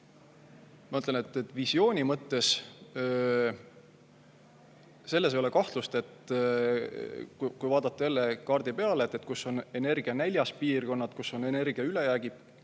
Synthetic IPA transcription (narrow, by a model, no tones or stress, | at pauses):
mɑɤt̪lenet̪ːˑet̪ːˑvisjo̞ːnʲimɤt̪ːe̞s | se̞lːes̬ejo̞le̞kɑht̪lust̪e̞t̪ | kukujvɑːd̪̥ɑt̪ːˑeelːekɑrd̪̥ipe̞ɑleeːt̪ːˑet̪̚ːkusːo̞nene̞rɡ̥iɑnæjlʲjɑspiːrko̞nːɑd̪̥kusːo̞ne̞ne̞rɡiɑyle̞jæːɡ̥i̥